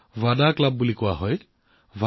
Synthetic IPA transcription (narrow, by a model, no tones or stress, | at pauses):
vadaklabːulikʊwaɦɔj | va